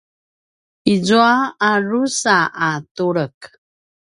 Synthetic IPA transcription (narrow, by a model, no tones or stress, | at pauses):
izuaːɾusaʔatuɾək